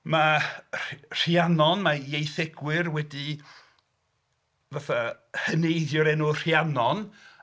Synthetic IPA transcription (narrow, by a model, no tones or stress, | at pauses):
marr̥janɔnmajejθɛɡ̥wɨrwɛdi | vaθa | hənejðjɔɾɛnur̥janɔn